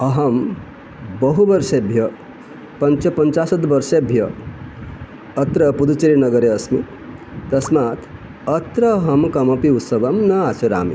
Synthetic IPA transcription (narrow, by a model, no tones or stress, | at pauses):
ɐɦɐm | bɐɦubɐɾsebʱjɐ | pɐnt͡ʃɐpɐnt͡ʃasɐt̪bɐɾsebʱjɐ | t̪ɾɐpud̪ut͡ʃeɾinɐɡɐɾeɐsmi | t̪ɐsmaːt̪ʰ | ɐt̪ɾɐɦɐmkɐmɐpiut̪sɐbɐmnɐat͡ʃʰɐɾa̰ːmḭ